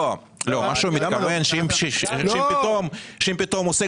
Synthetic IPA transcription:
o | lomaʃeumit̪amenʃeimʃʃimpit̪omʃeimpit̪omose

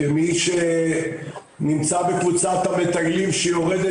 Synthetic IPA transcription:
emiʃe | nimt͡sabekvut͡sat̪amet̪aɡlimʃejoʁed̪e

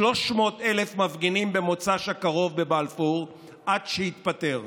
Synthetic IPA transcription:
lo̞ʃmo̞telefmavɡinimbemo̞t͡saʃakaʁo̞vbe̞balfuʁ | ʔadʃehit̪pate̞ʁ

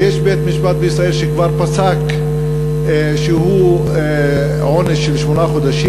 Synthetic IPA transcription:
jeʃbet̪miʃbat̪̚beisʁaelʃekvaʁpasak | ʃehu | ʕoneʃːelʃmonaχod̪aʃi

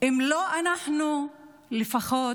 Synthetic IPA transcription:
ʔimloʔanaħnu | lefaχo

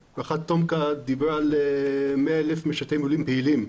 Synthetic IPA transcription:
baχatt̪ːomkad̪ibalemeaelefmeʃat̪ejmulimpeilim

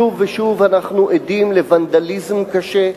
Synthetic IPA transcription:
uvːeʃuvanaχnuʔed̪imlevand̪alizmkaʃe

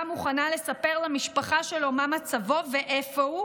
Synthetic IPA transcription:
muχanale̞sape̞ʁlamiʃpaχaʃelomamat͡savo̞veʔefou

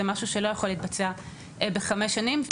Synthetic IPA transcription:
emaʃuʃelo̞jaχo̞liːt̪̚bat͡sea | ʔbeχameʃanimv

